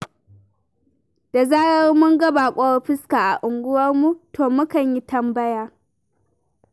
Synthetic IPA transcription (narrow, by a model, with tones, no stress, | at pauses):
d̥a˨zaː˦jɐ˦rmʊ˦ŋɡɐ˦ba˨kʷʼɔ˦ɸɪ˦skaː˨ʔa˨ʔʊ˨ŋɡʷʊ˦wɐ˦rmu˦tʰoː˨mʊ˦kɐ˨ɲji˦tɐ˦mbɐ˦jaː˦